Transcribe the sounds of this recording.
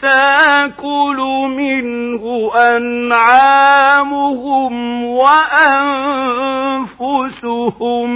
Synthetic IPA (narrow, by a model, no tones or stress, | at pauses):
t̪akʊlʊmɪnhʊʔanʕaːmʊhʊmwaʔan | fʊsʊhʊm